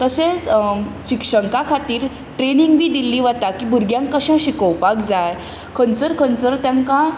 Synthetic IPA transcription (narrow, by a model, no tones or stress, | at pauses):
t̪əɕẽt͡sɕikʂəŋkakʰat̪iːɾ | ʈɾeniŋɡbiːd̪ilːiʋət̪akiːbʱuɾɡjãŋkːəɕãɕikəwpakd͡zaj | kʰənt͡səɾkʰənt͡səɾt̪jãŋkã